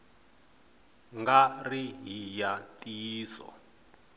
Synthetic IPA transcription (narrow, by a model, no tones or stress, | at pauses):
ŋɡariɦijatʼiːsɔ̰